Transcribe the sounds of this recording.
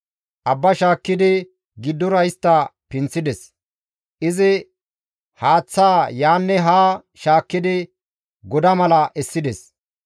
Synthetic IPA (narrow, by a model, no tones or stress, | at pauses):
ʔɐbːɐʃaːkːɪd̪ɪ | ɡɪd̪ːɔɾɐjst̪ːɐpɪnt͡sːɪd̪ɛs | ʔɪzɪ | haːt͡sːaːjaːnːɛɦaː | ʃaːkːɪd̪ɪ | ɡɔd̪ɐmɐlɐʔɛsːɪd̪ɛs